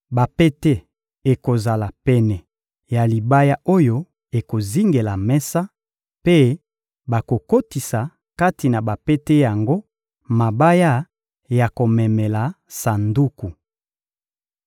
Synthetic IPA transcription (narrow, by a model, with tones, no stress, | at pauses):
ba˨pe˦te˦ | e˨ko˨za˨la˨pɛ˨nɛ˨ | ja˨li˨ba˦ja˦o˦jo˦ | e˨ko˨zi˦ŋɡe˨la˨mɛ˦sa˦ | pe˦ | ba˨ko˨ko˦ti˨sa˨ | ka˦ti˨na˨ba˨pɛ˦te˦ja˨ŋɡo˦ | ma˨ba˦ja˦ | ja˨ko˨mɛ˨mɛ˨la˨ | sa˨ndu˦ku˨